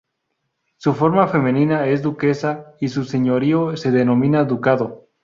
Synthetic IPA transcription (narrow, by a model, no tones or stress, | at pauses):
sufo̞ɾmafe̞mẽnĩnae̞zd̪uke̞saisuse̞ɲoɾiose̞ðe̞no̞mĩnaðukaðo